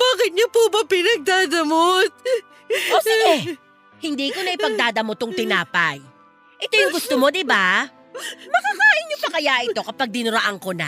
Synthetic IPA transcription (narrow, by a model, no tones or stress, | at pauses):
b̥aːkɪt̪̚ɲopubɐpɪnɐɡ̚d̪aːd̪ɐmot̪̚ | ʔosɪɡɛ | hɪnd̪iːko̞nɐʔɪpɐɡ̚d̪aːd̪ɐmot̪ʊŋt̪ɪnaːpɐj | ʔɛt̪o̞jʊŋɡʊst̪omo̞d̪ɪba | mɐkakaːʔɪɲopɐkɐjaʔɪt̪o̞kɐpaɡ̚d̪ɪnʊɾɐʔaŋko̞nɐ̰